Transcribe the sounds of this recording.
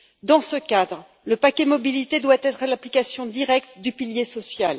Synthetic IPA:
d̪ɑ̃səkad̪ʁ | ləpakʲɛmɔbilit̪ed̪wat̪ɛt̪χəlaplikʲasjɔ̃d̪iʁɛk̚t̪d̪ypiljesɔsjal

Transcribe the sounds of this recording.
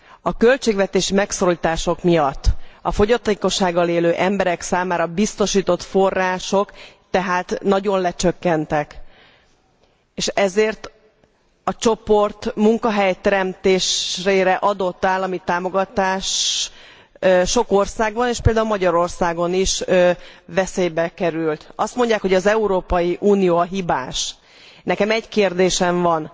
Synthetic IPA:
ɒkø̞lt͡ʃeːɡʋɛt̪eːʃimɛksoliːt̪aːʃo̞kmijɒt̪ːɒfo̞ɟɒt̪eːko̞ʃːaːɡːɒleːløːʔɛmbɛɾɛksaːmaːɾɒbist̪o̞ʃiːt̪o̞t̪fo̞rːaːʃo̞kt̪ɛɦaːt̪nɒɟo̞nlɛt͡ʃøkːɛnt̪ɛk | eːʃɛzeːrt̪ | ɒt͡ʃo̞po̞rt̪muŋkɒɦɛjt̪ɛɾɛmt̪eːʃreːɾɛʔɒd̪o̞t̪ːaːlɒmit̪aːmo̞ɡɒt̪aːʃ | ʃo̞ko̞rsaːɡbɒneːʃpeld̪aːulmɒɟɒɾo̞rsaːɡo̞niʃ | vɛseːjbɛkɛɾylt̪ɒst̪mo̞ɲɟːaːkho̞ɟɒzɛuɾoːpɒjiʔuːnijoːɒɦibaːʃ | nɛkɛmɛɟkeːrd̪eːʃɛɱvɒn

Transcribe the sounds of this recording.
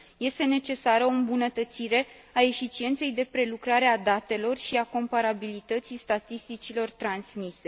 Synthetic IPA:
je̞st̪e̞ne̞t͡ʃe̞saɾəoɨmbunət̪ət̪siɾe̞ | ae̞fit͡ʃie̞nt̪se̞jd̪e̞pɾe̞lukɾaɾe̞ad̪at̪e̞lo̞rʃiako̞mpaɾabilit̪ət̪sist̪at̪ist̪it͡ʃilo̞rt̪ɾansmise̞

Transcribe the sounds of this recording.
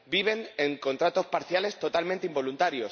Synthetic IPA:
biβ̞e̞neŋko̞nt̪ɾat̪o̞spaɾθjale̞st̪o̞t̪almẽnt̪eimbo̞lunt̪aɾjo̞s

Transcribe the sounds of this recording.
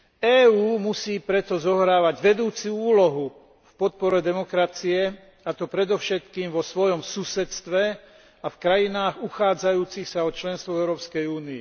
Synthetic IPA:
ɛːuːmusiːpɾɛt̪ɔzɔɦɾaːʋaɟʋɛd̪uːt͡suuːlɔɦu | fpɔt̪̚pɔɾɛd̪ɛmɔkɾat͡siɛ | at̪ɔpɾɛd̪ɔʊʃɛt̪kiːmʋɔsʋɔjɔmsusɛt̪st̪ʋɛ | afkɾajinaːɣuxaːd͡zajuːt͡sixsaɔt͡ʃlɛnst̪ʋɔɛʊɾɔːpskɛjuːniɛ

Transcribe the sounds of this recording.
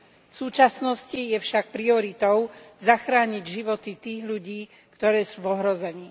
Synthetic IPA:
fsuːt͡ʃasnɔscijɛfʃak̚pɾiɔɾit̪ɔʊzaxɾaːɲiɟʒiʋɔt̪it̪iːɣʎuɟiː | kt̪ɔɾɛːsuːvɔɦɾɔzɛɲiː

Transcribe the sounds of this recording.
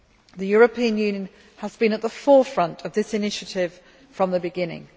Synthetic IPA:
ðəjɔːɹəpʰiə̃njʉːnjə̃n | əzbĩnəʔðəfɔːfɹʌ̃ntʰəvðɪsɪnɪʃətʰɪv̥ | fɹə̃mðəbɪɡɪ̃nɪ̰̃ŋ

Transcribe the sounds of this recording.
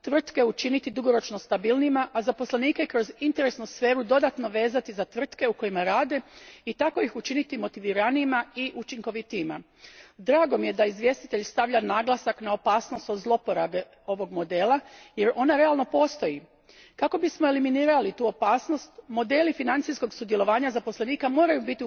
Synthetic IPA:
t̪ʋr̩t̪ke̞ut͡ʃinit̪id̪uɡo̞ɾo̞t͡ʃno̞st̪abilnimaʔazapo̞sleniːkekɾo̞zint̪e̞ɾesnusfe̞ːɾud̪o̞d̪at̪no̞ʋe̞ːzat̪izat̪ʋr̩t̪ke̞uko̞jimaɾaːd̪e̞it̪ako̞ixut͡ʃinit̪imo̞t̪iʋiɾaniːmaiʔut͡ʃiŋko̞ʋit̪iːma̰ | d̪ɾaːɡo̞mije̞d̪aizʋje̞st̪i̥t̪e̞ʎst̪aʋʎanaːɡlˠasaknao̞paːsno̞st̪ozlˠo̞poɾabe | o̞ʋo̞ɡmo̞d̪e̞ːlˠaje̞ɾo̞naɾe̞alˠno̞po̞ːst̪o̞ji | kako̞bismo̞e̞liminiːɾalit̪uːo̞paːsno̞st̪mo̞d̪e̞ːlifinant̪sisko̞ɡsud̪je̞lˠo̞ʋaːɲazapo̞sleniːkamo̞ːɾajubit̪i

